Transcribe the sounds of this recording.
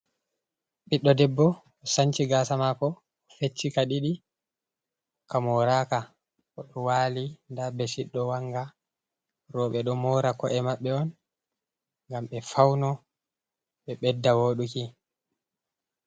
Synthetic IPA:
ɓiɗːɔdɛbːɔː | sant͡ʃiɡaːsamakɔː | fet͡ʃːikaɗiɗi | kamɔɾaːka | ɔɗɔwaːlindabɛsiɗːɔwaŋɡa | ɾɔɓɛɗɔmɔːɾakɔʔɛmaɓːɛɔn | ŋɡamɓɛfawnɔ | ɓɛɓɛdːawoːɗuki

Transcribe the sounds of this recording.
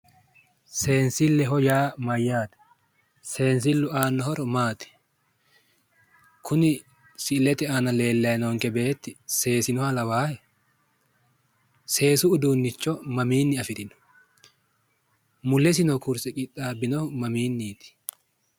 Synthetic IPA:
se̞ːnsɪlːɛɦɔjaːmɐjːaːt̪ɐ̥ | se̞ːns̬ɪlːʊʔaːnːɔhɔɾɔmaːt̪ɛ̥ | kʰʊnɪ | sɪlɛt̪ɛanɐle̞ːlːɐjnɔŋkɛbe̞ːt̪ːɪse̞ːsɪnɔhɐlɐwaːhɛ | se̞ːsʊːd̪uːnːɪt͡ʃːɔmɐmiːnːɪɐfɪt̪ɪnɔ̥ | mʊlːɛs̬ɪnɔkʊɾsɛkʼɪt̪ʼːaːbɪnɔmɐmiːnːiːt̪ɪ̥

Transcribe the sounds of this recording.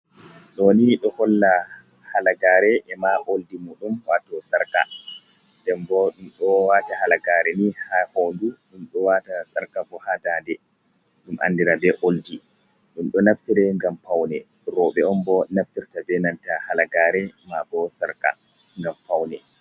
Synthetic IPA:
ɗɔniɗɔhɔlːa | halaɡaːɾɛʔɛmaʔoldimuɗumwatɔsaɾka̰ | dɛmbɔɗumɗɔwatahalaɡaɾɛnihahonduɗumɗɔwatasaɾkabɔhadadɛ | ɗumʔa̰nːdiɾabɛʔoldi | ɗumɗɔnaftiɾɛŋɡampawnɛ | ɾɔɓɛɔmbɔnaftiɾtabɛnantahalaɡaɾɛmabɔsaɾka̰ | ŋɡampawnɛ

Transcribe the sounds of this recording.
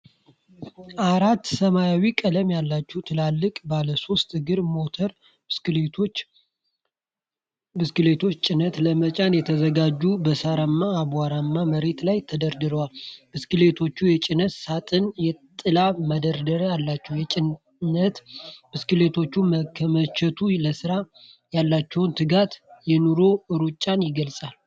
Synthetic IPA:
ʔaɾat̪ːsəmajawikʼələmjalːat͡ʃːɛwt̪ʰɨlalːɨkʼbaləso̞st̪ɨɡɨɾmo̞t̪ʰəɾ | ɨskɨlet̪ʰo̞t͡ʃːt͡ʃʼɪnət̪ləmət͡ʃʼanjɛt̪ʰəzəɡad͡ʒːubəsaɾamːaːbaɾamːaməɾe̞t̪lajt̪ʰəd̪əɾd̪ɨɾəwalbɨskɨle̞t̪ʰo̞t͡ʃːujɛt͡ʃʼɪnət̪sat̪ʼɨnjɛt̪ʼɨlamad̪əɾd̪əɾjalːat͡ʃːɛwjɛ | nət̪b̥ɨskɨlet̪ʰo̞t͡ʃːuməkʰːəmət͡ʃʰɛt̪ʰuləsɨɾa | jalːat͡ʃːɛwnt̪ʰɨɡat̪jɛnuɾo̞ɨɾut͡ʃʼːanjɪɡəlsʼal

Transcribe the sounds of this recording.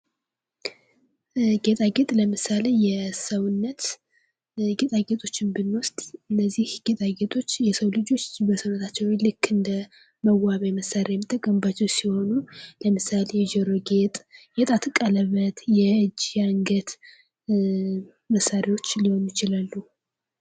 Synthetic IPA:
ɡe̞t̪ʼaɡe̞t̪ʼləmɨsalejɛsəwnːət̪ | ɡet̪ʼaɡe̞t̪ʼo̞t͡ʃːɪnbɨnːwɔst̪ʼɨnːəzːihɡ̥et̪ʼaɡe̞t̪ʼo̞t͡ʃːjɛsəwlɨd͡ʒo̞t͡ʃbəsəwnːət̪ʰat͡ʃːɛwlɨkʰːɨnd̪ə | məwaβajməsaɾʔejɛmːɨt̪ʰːəkʼəmbat͡ʃːɛwsiho̞nuləmɨsalejɛd͡ʒɛɾo̞ɡet̪ʼɡet̪ʼat̪ʰɨkʼːaləβːət̪jɛʔɨd͡ʒːjaŋɡət̪ | məsːaɾewo̞t͡ʃːliho̞njɪt͡ʃɪlalːu

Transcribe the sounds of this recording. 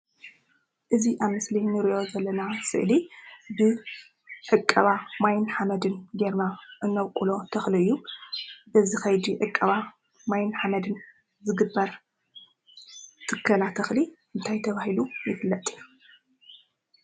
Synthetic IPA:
ʔɨziʔaβmɨslinɨɾijo̞zɐlːɐnasɨ̰ʔlibɨ | ʕɨkʼːɐβamajnħamɐd̪ɨnɡeɾnaʔɨnːɐwkʼulo̞t̪ʰɐxliɨjːu | ʔɨzixɐjd̪iʕɨkʼːɐβa | majnħamɐd̪ɨn | zɨɡɨbːɐɾ | t̪ʰɨkʰːɐlat̪ʰɐxli | ɨnt̪ʰajt̪ʰɐβahilujɪfɨlːɐt̪ʼɨu

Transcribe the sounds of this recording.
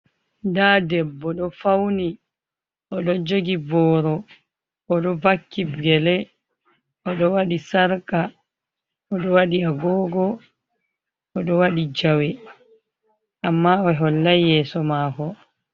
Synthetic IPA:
dadɛbːɔɗɔfawni | ʔɔɗɔd͡ʒoɡibɔːɾɔ | ɔɗɔvakːibɡɛlɛ | ʔɔɗɔwaɗisaɾka | ɔɗɔwaɗiaɡɔːɡɔ | ɔɗɔwaɗid͡ʒawɛ | ʔamːaɔɦɔlːajɛsɔmaːkɔ

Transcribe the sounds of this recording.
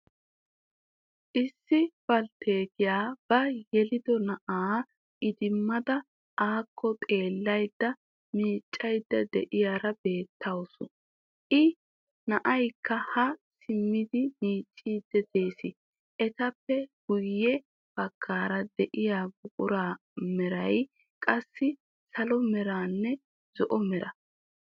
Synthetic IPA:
ʔɪsːɪb̥ɐlt̪ʰeːt̪ɪjaːb̥ɐjɛlɪd̪ɔnɐʔaː | ʔɪd̪ɪmːɐd̪ɐ | aːkʰːɔt̪ʼe̞ːlːɐjd̪ːɐ | miːt͡ʃʼːɐjd̪ːɐd̪ɛʔɪjaːɾɐbe̞ːt̪ʰːɐwsʊ | ʔɪ | nɐʔɐjkːɐhɐsɪmːɪd̪ɪmiːt͡ʃʼːiːd̪ːɛd̪e̞ːsɪ | ʔɛt̪ɐpːɛɡ̥ʊjːɛ | b̥ɐɡʰːaːɾɐd̪ɛʔɪjaːɡʊkʼʊɾaː | mɛɾɐj | kʼɐsːɪ | sɐlɔmɛɾaːnːɛ | zɔʔɔmɛɾʔɐ

